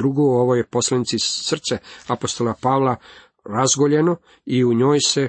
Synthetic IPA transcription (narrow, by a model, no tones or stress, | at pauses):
ɾuɡooʋojepo̞slˠanit̪sisr̩t̪seapost̪o̞lapaʋla | ɾazɡoʎe̞no̞ | iuɲo̞ːjse